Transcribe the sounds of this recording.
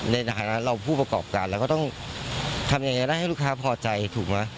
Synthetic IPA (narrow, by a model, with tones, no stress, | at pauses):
na˧jta˧aː˩˦na˦˥nɾa˧wpʰuː˥˩pɾa˧kɔː˨˩p̚kaː˧nlɛ˦˥wkɔː˥˩t̪ɔ˥˩ŋ | t̪ʰa˧mja˨ŋjia˧da˥˩jha˥˩jluː˥˩kʰaː˦˥pʰɔː˧t͡ɕa˧jt̪ʰuː˨˩k̚ma˦˥